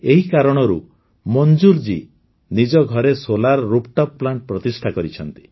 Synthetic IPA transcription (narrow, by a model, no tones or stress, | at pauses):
eɦikaɾɔɽ̃ɔɾṵ | mɔnd͡ʒuɾd͡ʒi | nid͡ʒɔɡʱɔɾesolaɾɔɾupʈɔpːlaɳʈ̚pɾɔt̪isʈʰakɔɾit͡ʃʰɔnt̪i̥